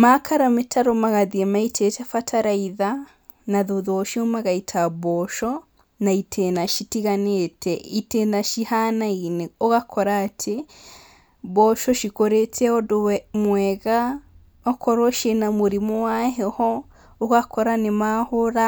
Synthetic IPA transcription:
makaɾametʰaɾomaɣaðiɛmaitʰetɛfatʰaɾaiða | naðoðɔʃiomaɣaitʰaβɔʃɔ | naitʰenaʃitiɣanetʰɛitenaʃihanaineoɣakʰɔɾaːtʰe | βɔʃɔʃikoɾetɛɔdomwɛɣa | ɔkʰɔɾɔʃenamoɾimɔwaɦɛhɔ | oɣakɔɾanemahoɾa

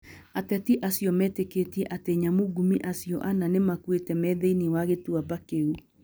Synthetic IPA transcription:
atɛtiʔasiɔmɛteketiɛʔateɲamuɡumiʔasiɔʔananemakwetɛmɛðeiniwaɣetuabakeu

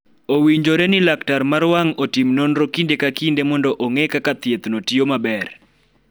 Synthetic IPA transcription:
owiɲd͡ʒoɾɛnɪlaktarmaɾwaŋotimnonɾokindekakindemɔndɔʔoŋekakat̪jet̪notiomabɛr

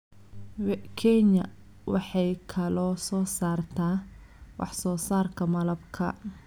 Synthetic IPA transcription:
wkʰɛɲɐ̰ | wɑ̰ħɑjkʰɐlɔːsɔːsaːrt̪ʰaː | wɑ̰ħsɔːsaːrkʰɐmɐlɐbkʰɐ̰

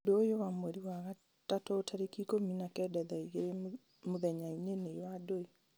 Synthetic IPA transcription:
doːjowamwɛɾiwaɣa | tatɔːtʰaɾekikominakɛdɛðaiɣeɾe | moðɛɲainenejwadoi

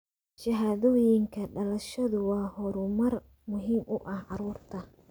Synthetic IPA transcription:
ʃɐɦaːðɔːjɪŋkʰɐɖɐlɐʃɐðʊwɑːhɔɾʊmɐr | mʊɦiːmʔʊʔɐhʕɑɾuːrt̪ʰɐ

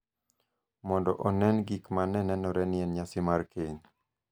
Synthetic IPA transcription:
mɔndɔʔɔnɛnɡikmanɛnɛnɔɾɛnɪɛnɲasɪmaɾkʰeɲ

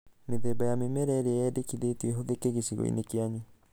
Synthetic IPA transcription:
meðɛbajamemɛɾɛɾeɛdekiðetuɛɦoðekeɣesiɣɔ̰ḭnekeaɲu

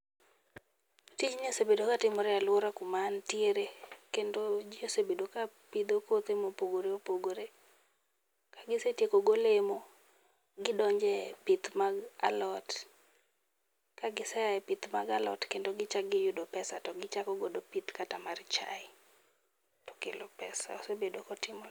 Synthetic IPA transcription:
tit͡ʃɲosebedokatɪmɔɾɛalwoɾakʊmantjeɾekendod͡ʒiosebedokapid̪okot̪emopoɡoɾeopoɡoɾe | kaɡɪsetjekoɡolemo | ɡɪdɔɲd͡ʒɛpit̪maɡa̰lɔt | kaɡɪsɛjaɛpɪt̪maɡalɔ̰tkendoɡɪt͡ʃaɡɪjʊdopɛsa̰tɔɡɪt͡ʃakɔɡodopit̪katamart͡ʃa̰ɪ | tɔ̥kḛlopɛsa̰osebedokɔtɪmɔ

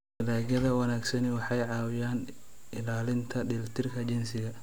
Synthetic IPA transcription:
ɪlaːɡjɐðɐwɐnaːɡsɐnɪwɑħɑjʕɑːwɪjaːn | ɪlaːlɪnt̪ʰɐdɪlt̪ʰɪrkʰɐt͡ʃɪnsɪɣɐ

